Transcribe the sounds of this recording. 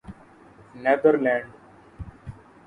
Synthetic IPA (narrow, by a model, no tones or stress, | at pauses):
ned̪əɾlɛ̃ːɳɖ